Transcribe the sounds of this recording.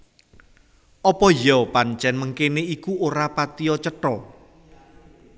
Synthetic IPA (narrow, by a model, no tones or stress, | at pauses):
ʔɔpɔjɔpaɲt͡ʃɛnməŋkeneikuoɾapat̪iɔt͡ʃəʈɔ